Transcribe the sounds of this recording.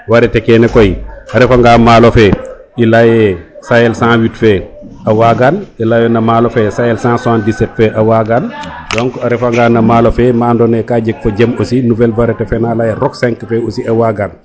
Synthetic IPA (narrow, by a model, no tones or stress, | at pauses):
waɾɛtɛkɛnɛkɔjaɾɛfaŋɡaːmaːlofɛ | ilajɛsajɛlsãwitfɛʔawaɡanilajɔnamalofɛsajɛlsãːsandisɛtfɛʔawaɡandɔŋkɔaɾɛfaŋɡaːnamaːlofɛmaːndɔnɛkaːd͡ʒɛkfɔd͡ʒɛmosinuvɛlvaɾɛtɛfɛnalajɛɾɔksɛŋkfɛosiawaɡan